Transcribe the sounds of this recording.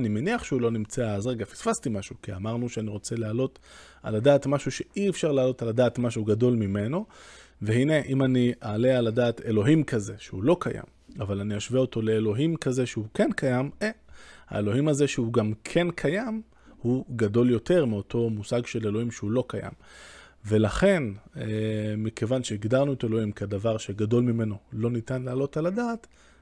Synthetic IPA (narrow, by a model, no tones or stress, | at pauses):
nimeniaχʃeulo̞nimt͡seaːzʁeɡafi̥sfastimaʃukia̰maʁnuʃeaniʁo̞t͡se̞lealo̞t | a̰ladaːtmaʃuʃe̞iefʃaʁlaːlo̞taladaːtmaʃuɡado̞lmime̞no̞vehine̞ʔimaniaːlealadaːte̞lo̞ɦimkʰaze̞ʃeulo̞kaja̰m | avalaniaʃveoto̞le̞ːlo̞ɦimkaze̞ʃeuke̞nkajameha̰e̞lo̞himaze̞ʃeuɡamkʰe̞nkʰajam | huɡado̞ljo̞te̞ʁmeo̞tʰo̞musaɡʃe̞le̞lo̞imʃeulo̞kaja̰m | ve̞laχe̞nemikʰe̞vanʃeiɡdaʁnuete̞lo̞himkʰedavaʁʃe̞ɡado̞lmime̞no̞lo̞nitanlaːlo̞taladaːt